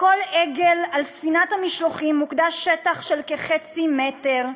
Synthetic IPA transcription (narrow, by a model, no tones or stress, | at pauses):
ko̞leɡelalsfinathamiʃloχimːukdaʃetaχʃelkeχet͡simeteʁ